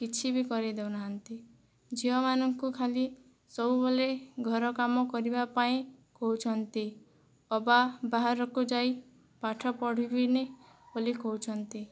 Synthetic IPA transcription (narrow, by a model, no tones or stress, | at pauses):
kit͡ʃʰibikɔɾid̪ewnaɦant̪i | d͡ʒiɔmanɔŋkukʰali | sɔuboleɡʱɔɾɔkamɔkɔɾibapaĩkɔɦut͡ʃʰɔnt̪i | ɔbabaɦaɾɔkud͡ʒai | paʈʰɔpɔɽ̤ibine | bolikɔut͡ʃʰɔnt̪i